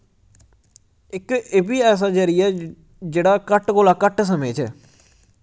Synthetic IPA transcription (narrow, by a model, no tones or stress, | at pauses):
ɪkeːbiːɛːs̬aːd͡ʒəɾiɛː | d͡ʒeːɽaːkəʈkoːlaːkəʈsəmeːt͡ʃɛ̰ː